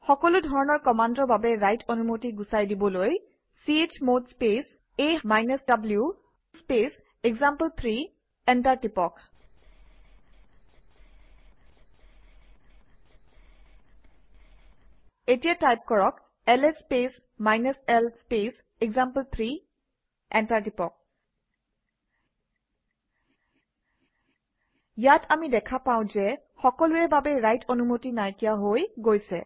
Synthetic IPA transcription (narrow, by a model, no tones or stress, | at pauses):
xɔkɔludʱɔɹɔnɔɹkɔmandɔɹbabɛɹajtʰɔnumotiɡusajdibɔloj | siet͡ʃmodspes | emajnesdablju | spes | eɡzampəlt̪ʰɹi | ɛntaɹtipɔk | etijatajp̚kɔɹɔk | ɛlɛspes | majnɛsɛlspes | ɛɡzampəlt̪ʰɹi | ɛntaɹdipɔk̚ | jatʰamidɛkʰapaʊ̃zɛ | xɔkɔlʊɛbabɛɹajtʰonumotinaɹkijaɦojɡojsɛ̰